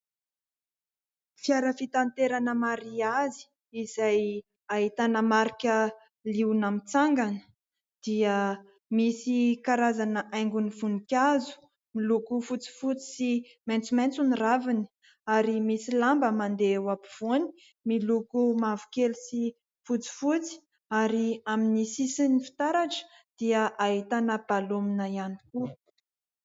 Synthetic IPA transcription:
fiaɾəfit̪ant̪eɾanəmaɾiazi̥ː | zaj | ait̪anəmaɾikʲə | liwnamit͡saŋɡanə̥ | d̪̥iə | misikaɾazanəʔajŋɡunivunikʲazu̥ | milukufut͡si̥fut͡si̥si | ment͡sument͡suniravini̥ | aɾimisilambəmand̪ewapiv̥uni̥ | milukumavu̥kelusi | fut͡si̥fut͡si̥ | aɾiaminisisinifi̥t̪aɾaʈ͡ʂə̥ | d̪̥iəʔaɦit̪anəb̥aluminəianiku

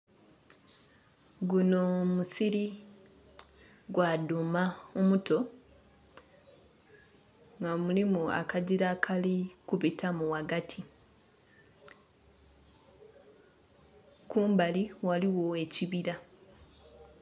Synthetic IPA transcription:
ɡunomusiɾi | ɡwadumaomuto̞ | ŋɡamulimua̰kaɟiɾakʰalikuβitʰamuwaɡatʰi | kuːmbaliwaliwo̞e̞ciβiɾa

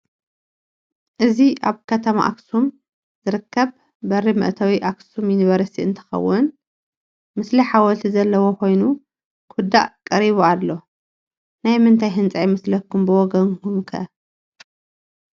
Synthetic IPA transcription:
ʔɨziʔaβkʰɐt̪ʰɐma̰ʔa̰ksum | zɨɾɨkːɐβ | bɐrimɨ̰ʔt̪ʰawiʔaksuminiβɐɾɐsiɨnt̪ʰɐ̥xɐ̰wːʊn | mɨsliħawɔlt̪ʰizɐlːɐwo̞ko̞jnu | kʰud̪a̰ʔkʼɐɾiβualːo̞ | najmɨnt̪ʰajɦɨnt͡sʼajmɐslɐkːumbɨwɔɡɐnkʰumkʰɐ̰

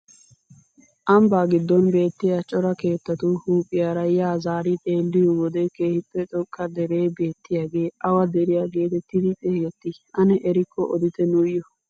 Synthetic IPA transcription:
ʔɐmbaːɡɪd̪ːɔnbe̞ːt̪ːɪjaːt͡ʃʼɔɾɐke̞ːt̪ːɐt̪ʊhuːpʼːɪjaːɾɐjaːzaːɾit̪ʼe̞ːlːɪjɔwɔd̪ɛke̞ːhɪpːɛt͡ʃʼɔkʼːɐd̪ɛɾe̞ːbe̞ːt̪ːɪjaːɡe̞ːɐwɐd̪ɛɾɪjaːɡe̞ːt̪ɛt̪ːɪd̪ɪt̪ʼeːjɛt̪ːɪʔɐnɛʔɛɾɪkːɔʔɔd̪ɪt̪ɛnʊjɔ

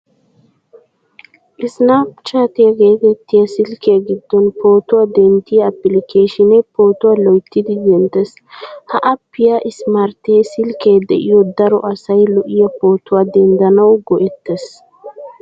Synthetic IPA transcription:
ʔɪsnapt͡ʃaːt̪ɪjɐɡeːɡɛt̪ːɪjɐsɪlkɛjaɡɪd̪ːɔnpo̞ːt̪ʊwad̪ɛnt̪ɪjɐpːɪlɪkeːʃɪnɛpo̞ːt̪ʊwalɔjt̪ːɪd̪ɪd̪ɛnt̪ːɛs | hɐʔɐpːɪjɐʔɪsmaɾt̪eːsɪlkeːd̪ɛ̰ʔɪjɔd̪ɐɾɔ̰ʔɐsɐjlɔʔɪjɐpo̞ːt̪ʊwad̪ɛnd̪ɐnɐwɡɔʔɛt̪ːɛs

